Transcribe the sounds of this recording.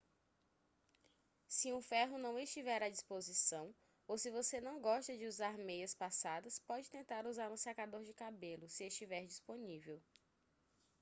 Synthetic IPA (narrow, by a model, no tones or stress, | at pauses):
siũfɛɦʊnɐ̃w̃est͡ʃivɛɾad͡ʒispozisɐ̃w̃ | owsɪvosenɐ̃w̃ɡɔʃt̪ɐd͡ʒɪuzaɾmejɐspasad̪ɐspɔd͡ʒɪt̪ẽnt̪aɾuzaɾũsakad̪oɾd͡ʒɪkabelʊsɪest͡ʃivɛɾd͡ʒisponivew